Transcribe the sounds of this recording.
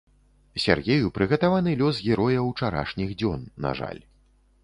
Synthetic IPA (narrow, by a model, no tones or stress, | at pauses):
sʲa̰rɣʲejupɾɨɣɐt̪avanɨlʲɔs̬ɣʲɛɾɔjɐwt͡ʂaɾa̰ʂnʲiɣd͡zʲɔnːa̰ʐa̰lʲ